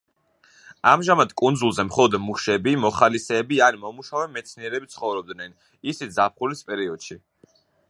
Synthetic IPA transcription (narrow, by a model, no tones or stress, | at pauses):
amʒamad̪kʼund̪zulˠzɛmχɔlˠɔd̪muʃɛbimɔχalisɛːbianimɔmuʃavɛmɛt̪sʰniɛɾɛbit̪sʰχɔvɾɔb̚d̪nɛn | isit̪zap̚χulispʼɛɾiɔd̪̥ʃi